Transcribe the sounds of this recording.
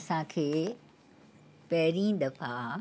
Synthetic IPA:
sãkʰeː | pɐɦɪɾĩd̪ɐfʰaː

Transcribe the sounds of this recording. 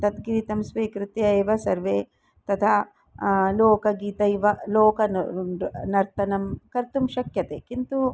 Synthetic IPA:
t̪ɐt̪ɡɾit̪ɐmsʋiːkɾut̪ieːʋɐsɐɾʋeː | t̪ɐt̪ʰa | loːkɐɡiːt̪ɐiʋɐloːkɐ | nɐɾt̪ɐnɐmkɐɾt̪umʃɐkjɐt̪eːkint̪u

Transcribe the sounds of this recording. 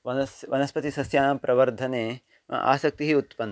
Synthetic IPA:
ʋɐnɐsʋɐnɐspɐt̪isɐsjaːnaːmpɾʔɐʋɐɾd̪ʱɐnḛː | ʔa̰ːsɐk̚t̪iɦiut̪pɐn

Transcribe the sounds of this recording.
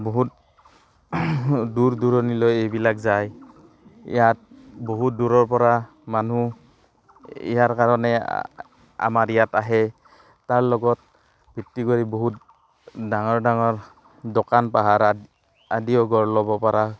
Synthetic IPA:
bɔɦut̚ | duɹduɹɔnilɔjejbilakzaj | ḭjat̚ | boɦut̚duɹɔɹp̬ɔɹa | manu | ḭjaɹkaɹɔnɛ | a̰maɹijataɦɛ | taɹlɔɡɔt̚ | bʱitːikoɹibɔɦut̚ | daŋɔɹdaŋɔɹ | dɔkanpaɦaɹ | adiɔɡɔɹlɔbɔpaɹa

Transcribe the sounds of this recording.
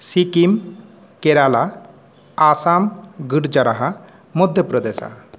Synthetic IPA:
sikim | keɾala | asamɡiɾd͡ʒɐɾaɦa | mud̪ʱjəpɾɔd̪esa̰

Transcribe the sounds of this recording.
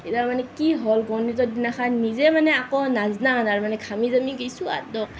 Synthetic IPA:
etamanɛkiɦɔlɡɔnitɔdinakʰaːizɛmanɛakɔnaznanaɹmanɛkʰamizamikesua̰tːɔk̚

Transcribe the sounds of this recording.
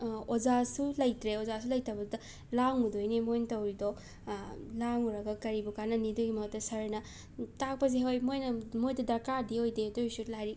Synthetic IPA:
ozasulɐjtɾeozasulɐjtɐbɐdɐ | laŋudojnimojntɐwɾidɔ | laŋuɾɐɡɐkɐɾibukanɐniduɡimɐtɐsɐɾenɐ | tak̚pɐz̬eɦojmojnɐmojdɐdɐɾkadiojdedojsulajɾi

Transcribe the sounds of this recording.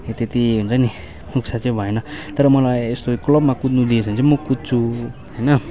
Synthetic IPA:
et̪et̪iɦunt͡sʰʌni | nuk̚sʰat͡sʌ̃ĩbʱʌenʌt̪ʌɾʌmʌlajest̪oklʌbmakut̪nud̪iesʰʌnt͡sʰʌmʌkut̪̚t͡sʰu | ɦʌjnʌ

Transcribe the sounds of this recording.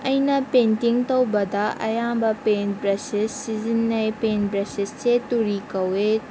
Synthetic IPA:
ɐjnɐpentiŋtɐwbɐdɐʔɐ̰jambɐpenbɾɐsisːizinːɐjpenbɾɐsissetuɾikɐwe

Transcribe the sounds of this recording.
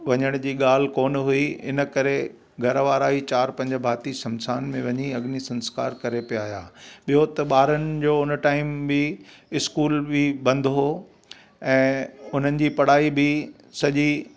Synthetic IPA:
ʋɐɲəɽ̃d͡ʑiːɠaːl̤ɪkoːnɦʊiɪ̰nə̆kɐɾe | ɡʱɐɾʋaːɾaːit͡ɕaːɾpɐ̃ɲd͡ʑəbʱaːt̪isɐ̃msaːnmẽʋɐɲiɐɠnisɐ̃nska̰ːɾkɐɾepijaːɦjaːɓijot̪ɐɓaːɾənɪ̆d͡ʑoːʊnʈaːɪmbɪɪskuːlbɪbɐ̃nd̪ʱɦoː | ɛ̃ːʊn̤ənɪ̆d͡ʑiːpɐɽ̤aːibɪ | sɐʄi

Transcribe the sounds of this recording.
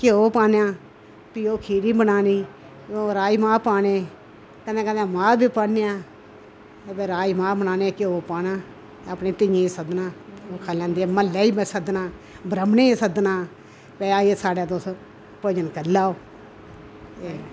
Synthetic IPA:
keoːpaːnjãː | piːoːkʰiːɾiːbənaːniː | oːɾaːiːmaːpaːneː | kənd̪ẽːkəãːmaːbiːpaːneãː | peːɾaːimaːbənaːneːkeoːpaːnãː | əpneːt̪ɪjẽːsəd̪nãːoːkʰaːlãːnd̪iːməlːɛːiːmsəd̪nãː | bɾəmneːesəd̪nãː | peːaːeːsaːɖaːd̪os | poːd͡ʒənkəɾlaːoː | eː

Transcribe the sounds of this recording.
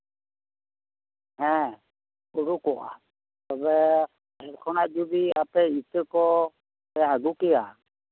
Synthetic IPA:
ɦɛ̃ | uɽukɔʔa̰ | t̪ɔbɛ | ɦɛɾkʰɔnaʔd͡ʒubiapɛit̪əkɔ | ɛaɡukɛja

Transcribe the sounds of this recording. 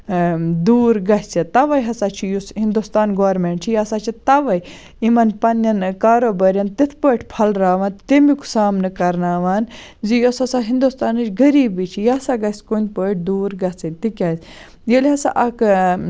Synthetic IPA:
d̪uːɾɡɐsʲt͡sɐt̪ɐʋɐjɦɐsaːt͡ʃʰijusɦind̪ust̪aːnɡoːɾmeːɳʈt͡ʃʰijasaːt͡ʃʰit̪ɐʋɐj | imɐnpɐnːɐnkaːɾoːbɐɾʲjɐnt̪it̪ʰpəːʈʰʲpʰɐlɾaːʋant̪emikʰu̥saːmnɨkɐɾnaːʋaːnzijosɐsaɦind̪ust̪aːnɨt͡ʃʰʲɡɐɾiːbit͡ʃʰijaːsaɡɐskon̚ʲpəʈ̚ʰʲd̪uːɾɡɐt͡sɐt̪ikʲaːsʲ | jelʲɦɐsa̰ʔɐk

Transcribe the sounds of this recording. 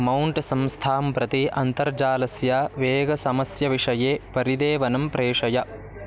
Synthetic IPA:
mɐwɳʈsɐmst̪ʰaːmpɾɐt̪iʔɐnt̪ɐɾd͡ʒaːlɐsjaːʋeːɡɐsɐmɐsjɐʋiʂɐjeːpɐɾid̪eːʋɐnɐmpɾeːʂɐjɐ

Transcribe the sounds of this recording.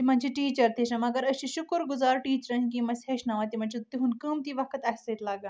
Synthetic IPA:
t̪im̤aɲt͡ɕiʈiːt͡ɕəɾt̪ʰeɕɐmɐɡəɾəɕiɕukɾɡuzaɾʈiːt͡ɕɾɐnkĩmɐsheɕnaʋat̪im̤ant͡ɕʰit̪t̪ːiɦũːnkəːmt̪iʋakʰət̪aɦʲsɐt̪laɡa

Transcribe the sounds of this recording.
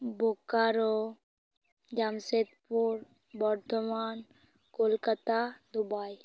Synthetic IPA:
bʱokaɾo | d͡ʒamset̪puɾ | bɔɾt̪oman | kolkat̪ad̪ubaj

